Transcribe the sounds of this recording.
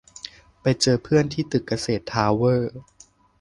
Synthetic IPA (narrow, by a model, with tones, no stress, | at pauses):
pa˧jt͡ɕɤː˧pʰɯ˥˩ənt̪ʰiː˥˩t̪ɯ˨˩ka˧seː˨˩t̪ʰːaː˧˥wɤː˥˩